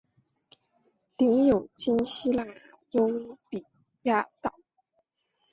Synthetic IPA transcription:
lɛ˧˥njo˨˩ʊt͡ɕi˥nɕi˥la˥˩ | jo˥ʊpi˨˩ | ja˥t̪ɑ˨˩˦

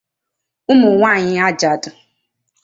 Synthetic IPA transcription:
ʊ˦mʊ˨ŋʷa˦˨ɲɪ˦a˦d͡ʒa˨dʊ˨

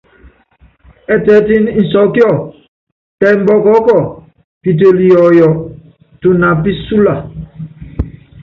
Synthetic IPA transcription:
ɛ˨tɛ˨˦ti˦n˦n̩˨sɔ˨˦kjɔ˦˨ | tɛ˨m̩˨bɔ˦kɔ˨˦kɔ˦˨ | pi˨t̬e˨li˨jɔ˨jɔ˨ | tu˨na˨pi˦su˦la˨

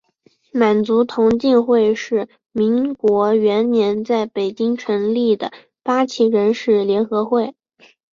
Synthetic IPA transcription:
ma˨˩nt͡su˧˥t̪ʰʊ˧˥ŋt͡ɕi˥˧nxwe˥˧ɪʂɻ̩˥˩ | mi˧˥nkwɔ˧˥ɥɛ˧˥nnjɛ˧˥nt͡sa˥˩ɪpe˨˩ɪt͡ɕi˥ŋʈ͡ʂʰə˧˥nli˥˩d̪ə˩ | pa˥t͡ɕʰi˧˥ɻə˧˥nʂɻ̩˥˩ljɛ˧˥nxɤ˧˥xwe˥˩ɪ

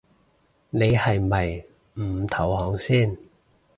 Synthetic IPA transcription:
ne˨˧jhɐ˨jmɐ˨j | m̩˨˩t̪ʰɐ˨˩whɔː˨˧˥ŋsiː˥˩n

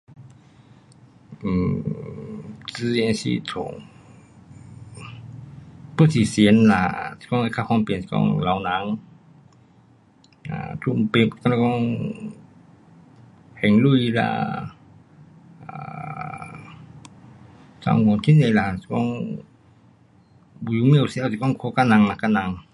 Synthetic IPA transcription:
si˧nsḭ˧t̪ʰo˧˨ŋ | pɯ˧˥˨si˧˩si˨˦ə˦nla̰˧˩si̥˧kɔ˧ŋa˧kʰa˧kʰɔ˧ŋpe˨nsi̥˧kɔ̰˧ŋla˨˦wna˨˦ŋ | a̰˧˨t̪ʰu˧˩˨mpe˧˩pkɔ˧na˧kɔ˧ŋ | hɛ˨ŋlu˧˨jla̰˧ | a˧ | sa̰˧˨ŋɡɔ˨˧˨nt̪ʰi˧˨ne˧˨la˧˨si̥˧kɔ˧˨ŋ | bu˧˨ju˧˦mi˧˨wsi˧a˧˨si˧kɔ˧˥˨ŋkʰo˧˦ka˧˨na˧˨ŋna˨˧˨ka˧na˧ŋ

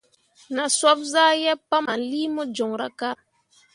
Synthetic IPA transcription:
na˨swa˦pza˦jɛ˦pːa˦ma˨li˦mɔ˦d͡ʒɔ˨ŋɾa˦ka˦ɾ

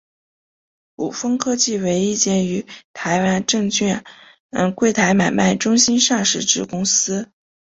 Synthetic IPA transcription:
ṵ˨˩fɤ˥ŋkʰɤ˥t͡ɕi˥˩we˧˥ɪi˥˧t͡ɕjɛ˥˩ny˧˥t̪ʰa˧˥ɪwa˥nʈ͡ʂɤ˥˧ŋt͡ɕɥɛ˥˩n˥˧ | nkwe˥˩ɪt̪ʰa˧˥ɪma˨˩ɪma˥˩ɪʈ͡ʂʊ˥ŋɕi˥nʂa˥˩ʂɻ̩˥˩ʈ͡ʂɻ̩˥˩kʊ˥ŋsɹ̩˥

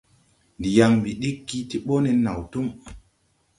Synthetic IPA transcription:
ndi˨ja˨ŋmbi˨ɗi˦kːi˦ti˦ɓo˦nɛ˨na̰˨wtu˦ŋ

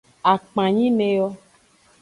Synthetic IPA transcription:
a˨k͡pã˨ɲĩ˦mẽ˨jɔ˦

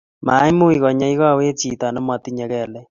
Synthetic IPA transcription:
ma̰˨˦i˦mo˦i˨ɣɔ˨ɲa˦i˦ɣa˦˨we˦t͡ʃi˨ta˨ne˦mwa˨ti˦ɲɛ˨ɣɛ˨lɛ˦

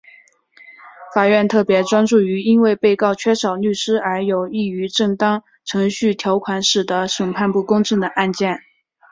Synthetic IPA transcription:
fa˨˩ɥɛ˥˧nt̪ʰɤ˥˩pjɛ˧˥ʈ͡ʂwa˥nʈ͡ʂu˥˩y˧˥i˥nwe˥˧ɪpe˥˧ɪkɑ˥˩ʊt͡ɕʰɥɛ˥ʂɑ˨˩ʊny˥˩ʂɻ̩˥ə˞˧˥jo˨˩ʊi˥˩y˧˥ʈ͡ʂɤ˥˩ŋt̪ɑ˥ŋ | ʈ͡ʂʰɤ˧˥ŋɕy˥˩t̪ʰjɑ˧˥ʊkʰwa˧˥nʂɻ̩˨˩d̪ə˦ʂə˨˩ŋpʰa˥˧npu˥˩kʊ˥ŋʈ͡ʂɤ˥˩ŋd̪ə˩ʔa˥˧nt͡ɕjɛ˥˩n

